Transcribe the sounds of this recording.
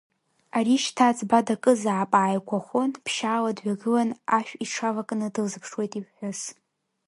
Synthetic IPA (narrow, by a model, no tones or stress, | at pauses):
aɾiʃtʰat͡sʼbadakʼɨzaːpʼaːjkʷʰaχʷonpʰʃaːladɥʷaɡɨlanaʃᶣiʈ͡ʂʰavakʼnɨdɨlzɨpʰʂwe̞jtʼiħʷʊs